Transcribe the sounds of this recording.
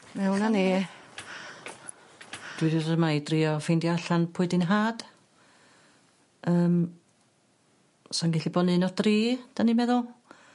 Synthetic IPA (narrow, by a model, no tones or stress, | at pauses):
mɛwnani | d̥wɪdrəmajdriːɔfejndjaɬanpʰʊɨdɪnɦaːd̥ | əːm | sanɡɛɬibɔnɨnɔdriːd̥animɛðʊlˠ